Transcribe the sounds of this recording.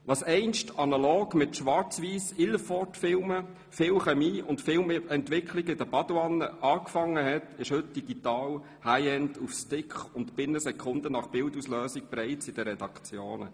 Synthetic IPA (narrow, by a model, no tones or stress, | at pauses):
ʋɑsɛɪnʃtɑnɑloːɡmɪt̪ʃʋɑɾt͡sʋiːsɪləfɔtfɪlmə | fɪwχɛmiːʊntfɪlmɛntʋɪkχliɡəɪd̥əbɑd̥wɑnəʔɑːkfɑŋːəɦɛtɪʃhɵt̚d̥iɡit̪ɑːl | haɪɛndufstɪkχʊntb̥ɪnəsɛkʰʊnd̪ənɑχb̥ɪldusløːsik̚pɾɛɪt͡sɪd̥əɾɛd̥ɑkt͡sjoːnə̰